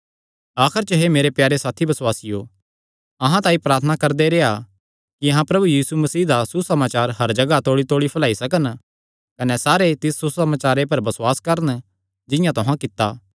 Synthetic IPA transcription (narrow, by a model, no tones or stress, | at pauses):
aːkʰəɾt͡ʃəɦemeːɾepjaːɾesaːt̪ʰibɐswaːsɪjo | ɐɦãt̪aːĩpɾaːɾt̪ʰənakɐɾd̪eɾeːa | kiɐɦãpɾɐbujiːsumɐsiːd̪asusɐmaːt͡ʃaːɾɦɐɾd͡ʒɐɡat̪oːɽit̪oːɽipʰɐlaːisɐkən | kɐnɛsaːɾet̪ɪsːusɐmaːt͡ʃaːɾepɐɾbɐsʊwaːskɐɾən | d͡ʒɪ̃jãt̪ʊɦãkɪt̪ːa̰ː